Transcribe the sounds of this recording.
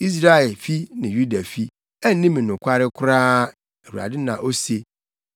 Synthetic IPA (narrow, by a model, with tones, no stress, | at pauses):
i˦s̬ɾa˦ɛ˨lfi˦nɪ̃˨ju˦da˨fi˦ | æ˦n˦nĩ˦mĩ˨nʊ̃˨kʷʰa˦ɾɪ˦kʷʰʊ˦ɾaː˦ | æ˨wu˨a̰˨dɪ˦nã˨ʔo˦se˨